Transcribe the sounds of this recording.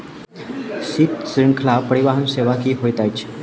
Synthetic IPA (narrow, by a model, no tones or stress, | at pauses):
sit̪sɾiŋkʰlapːəɽiʋaɦənseʋakiːɦojt̪ajt͡ɕː